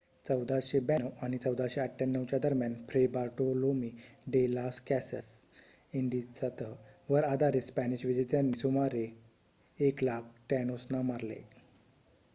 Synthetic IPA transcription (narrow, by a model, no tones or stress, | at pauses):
t͡səwd̪ʱaɕebɛnəwañit͡səwd̪ʱaɕeaʈʰːjanːəʋt͡ɕjad̪əɾmjanpʰɾebaʈolomiɖelaskɛsə̰s | iɳɖit͡sət̪əʋəɾad̪ʱaɾispæniɕʋid͡ʑet̪janːiːsumaɾe | eklak̚ʈɛnosnamaɾlḛ